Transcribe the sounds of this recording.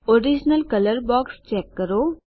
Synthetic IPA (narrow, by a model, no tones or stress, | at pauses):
oɾid͡ʒnəlkələɾbɔːkst͡ʃɛːkːəɾoː